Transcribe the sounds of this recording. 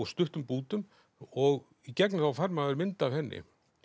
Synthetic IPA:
st̪ʏht̪ʏmpuːt̪ʏm | ɔɣ | icɛknɪθawfaɾmaðɛɾmɪnt̪aːv̥hɛnːɪ̰

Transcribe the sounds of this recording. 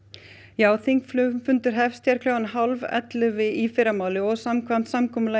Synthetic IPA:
jaːwθiŋkflʏmfʏnt̪ʏɾ̥ɦɛfst̪ʰjaɾ̥kʰlowɣanɦalvɛ̰t̪lʏvɪifɪɾamaːwlɪɔɣsamkʰvamt̪samkʰɔːmʏla

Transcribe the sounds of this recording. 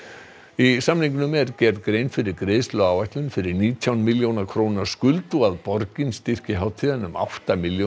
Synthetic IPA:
isamniŋkʏnʏmɛɾcɛɾðkɾeːjnfɪɾɪɾkɾeːðst̪lʏawvajht̪lʏnfɪɾɪɾniːt̪ʰjawnmiljownakʰɾownḁskʏlt̪uaðpɔɾcɪnst̪ɪr̥cɪɦaːwt̪ʰiðanʏma̰wht̪amiljo

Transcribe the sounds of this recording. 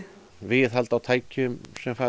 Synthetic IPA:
vɪðɦalt̪awt̪ʰaːjcʏmsɛmfaː

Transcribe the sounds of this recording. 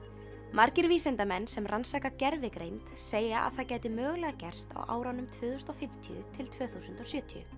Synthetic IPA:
maɾcɪɾviːsɛnt̪amɛnːsɛmrʔansaːkacɛɾvɪkɾejnt̪seːjaʔa̰ðθacɛːjt̪ɪmœːɣlɛɣacɛr̥st̪a̰wʔa̰ːwɾanːʏmt̪ʰvʏːðʏst̪ɔfɪm̥t̪ʰiʏ̰t̪ʰɪlt̪ʰvœːθusʏnt̪ɔsjœːt̪ʰiʏ̰

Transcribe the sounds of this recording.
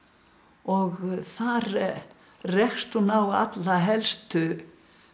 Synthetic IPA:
ɔɣθaɾ | rɛxst̪unawa̰t̪laɦɛlst̪ʏ

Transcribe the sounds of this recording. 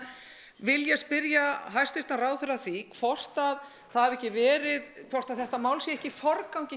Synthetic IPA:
vɪljɛɣspɪɾjaɦajst̪ɪɾt̪naraːwθʏɾaθikʰvɔr̥t̪að | θaðhavɛhcɪvɛːɾɪðkʰvɔr̥t̪aðθɛht̪amaːwlsjɛɛhcɪfɔɾkawɲcɪ

